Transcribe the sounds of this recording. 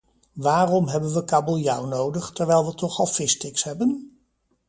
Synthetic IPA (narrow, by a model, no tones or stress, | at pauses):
ʋaːrɔmɦɛbənʋəkaːbolˠjawnowdəχtəɹʋɛjlˠʋətɔχɑlˠfɪstɪksɦɛbən